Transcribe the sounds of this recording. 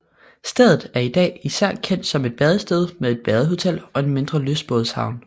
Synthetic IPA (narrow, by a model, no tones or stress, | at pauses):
sd̥eðˠð̩ˠæɐid̥ɛ̰ːisæɐ̰kʰen̰d̥sɒ̽me̝d̥̚b̥ɛðˠəsd̥eð̞ˠmeðˠe̝d̥̚b̥ɛðˠəɦo̝t͡sʰel̰ɒ̽e̝nme̝nd̥ʁɐlysb̥oðˠshɑ̈ʊn